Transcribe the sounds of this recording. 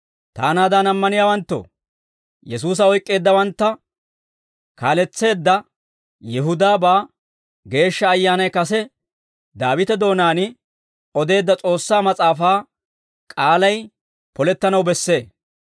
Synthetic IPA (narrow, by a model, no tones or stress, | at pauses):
t̪a̰ːnaːd̪ɐnɐmːɐnɪjaːwɐnt̪ːɔ̰ | jɛsuːs̬ɐɔjkʼːe̞ːd̪ːɐwɐnt̪ːɐ | kaːlɛt͡sːe̞ːd̪ːɐ | jɛɦʊd̪aːbaː | ɡe̞ːʃːɐːjːaːnɐjkɐsɛ | d̪aːwɪt̪ɛd̪o̞ːnaːnɪ | ɔd̪e̞ːd̪ːɐt͡sʼo̞ːsːaːmɐt͡sʼaːfaː | kʼaːlɐj | pɔlɛt̪ːɐnɐwbɛsːe̞ː